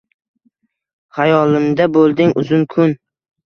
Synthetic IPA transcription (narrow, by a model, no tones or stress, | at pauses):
hajɒlˠɪmd̪abolˠd̪ɪŋʊzʊnkʰʊn